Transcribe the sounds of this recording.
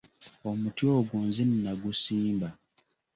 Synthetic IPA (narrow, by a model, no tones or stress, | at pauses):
omutjoːɡuːnzinːaɡusiːmba